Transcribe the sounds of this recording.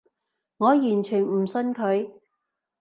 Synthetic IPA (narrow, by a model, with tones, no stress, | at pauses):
ŋɔː˨˧jyː˨˩nt͡ʃʰyː˨˩nm̩˨˩sɵ˧nkʰɵ˨˧ɥ